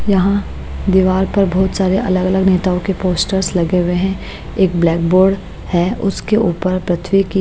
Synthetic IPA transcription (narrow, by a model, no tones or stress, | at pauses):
jɐɦã | d̪iːʋaːɾpɐɾbɔːt̪saːɾeʔɐləɡɐləɡneːt̪aːõkepoːsʈəɾslɐɡeʊweɦɛ̃ | eːk̚blɛːk̚boːɾɖ | hɛʊskeʔuːpəɾpɾɐt̪ʰʋiki